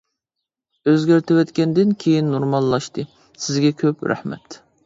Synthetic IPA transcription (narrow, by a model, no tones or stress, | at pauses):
øzɡʲæɾt̪ʰɪwɛt̪kʲɛnd̪ɪnkʲʰejinːoɾmɑlˠːɑʃt̪ɨ | sɪzɡʲɛkʲʰøpɾæ̰hmɛ̰t̪